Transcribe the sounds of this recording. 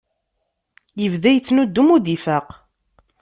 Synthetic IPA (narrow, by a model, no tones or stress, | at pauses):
jəvðæjət͡sːnud̪ːumud̪ifæq